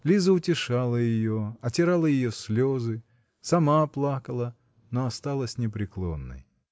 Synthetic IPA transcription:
lʲizəʊtʲɪʂalˠəjɪjoɐtʲɪɾalˠəjɪjosʲlʲozɨ | sɐmaplˠakəlˠə | noɐst̪alˠəsʲnʲɪpɾʲɪklˠo̰nːə̰j

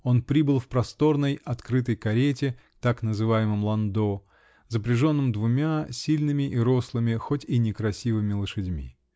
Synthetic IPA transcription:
o̞npɾʲibɨlˠfpɾɐst̪o̞rnəjɐt̪kɾɨt̪əjkɐɾʲetʲɪ | t̪aknəzɨvajɪmɨmlˠɐnd̪o | zəpɾʲɪʐo̞nːɨmd̪vʊmʲasʲilʲnɨmʲɪʔiɾo̞slˠɨmʲɪxotʲinʲɪkɾɐsʲivɨmʲɪlˠəʂɨdʲmʲḭ

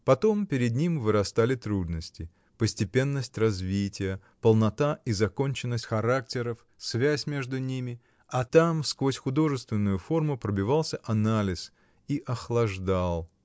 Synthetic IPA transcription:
pɐt̪o̞mpʲɪɾʲɪd̪nʲimvɨɾɐst̪alʲɪt̪ɾud̪nəsʲtʲɪ | pəsʲtʲɪpʲe̞nːəsʲtʲrɐzvʲitʲɪjə | pəlˠnɐt̪aʔizɐko̞nʲt͡ɕɪnːəsʲtʲxɐɾak̚tʲɪɾəf | svʲæsʲmʲe̞ʐd̪ʊnʲimʲɪ | ɐt̪amskvo̞sʲxʊd̪o̞ʐɨst̪vʲɪnːʊjʊfo̞rmʊpɾəbʲɪvalˠsʲəʔɐnalʲɪs | iʔɐxlˠɐʐd̪alˠ

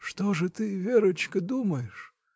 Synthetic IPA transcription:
ʂt̪oʐɨt̪ɨvʲeɾʊt͡ɕkəd̪uməjɪʂ

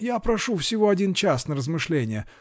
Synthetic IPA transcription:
japɾɐʂufsʲɪvo̞ɐdʲint͡ɕasnərəzmɨʂlʲenʲɪjə

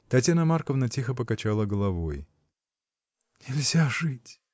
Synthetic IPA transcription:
t̪ɐtʲjanəmarkəvnətʲixəp̬əkɐt͡ɕalˠəɡəlˠɐvoj | nʲɪlʲzʲaʐɨtʲ

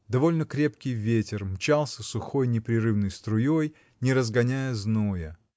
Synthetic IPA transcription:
d̪ɐvo̞lʲnəkɾʲe̞pkʲɪjvʲetʲɪrmt͡ɕalˠsʲəsʊxo̞jnʲɪpɾʲɪɾɨvnəjst̪ɾʊjoj | nʲɪɾəzɡɐnʲæjəznojə

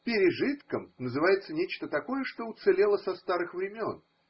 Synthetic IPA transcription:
pʲɪɾʲɪʐɨt̪kəmnəzɨvajɪt̪sənʲet͡ɕt̪ət̪ɐko̞jəʂt̪o̞ʊt̪sɨlʲe̞lˠəsɐst̪aɾɨxvɾʲɪmʲo̞̰n

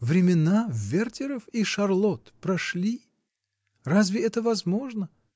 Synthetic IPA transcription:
vɾʲɪmʲɪnavʲert̪ʲɪɾəfiʂɐrlˠot̪pɾɐʂlʲi | razvʲɪɛt̪əvɐzmo̞ʐnə

